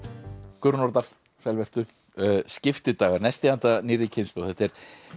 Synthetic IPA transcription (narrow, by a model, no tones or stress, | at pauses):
kʏɾnɔɾt̪al̥ | fɛlvɛr̥t̪ʏ | scɪft̪ɪt̪aːɣaɾnɛst̪ɪant̪aniːɾɪcʰɪnst̪ɔθɛht̪ɛɾ̥